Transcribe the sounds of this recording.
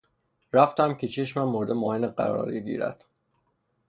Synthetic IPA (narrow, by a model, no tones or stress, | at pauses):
ɾæft̪ʰæmcʰe̞t͡ʃʰe̞ʃmæmːoɾd̪emɒːheneɢæ̰ɾɒ̰ːɾeɟḭːɾæ̰d̪̥